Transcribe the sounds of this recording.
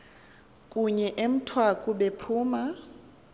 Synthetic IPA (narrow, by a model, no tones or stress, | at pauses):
kʼuɲɛʔem̩tʰwakʼuɓepʰuːma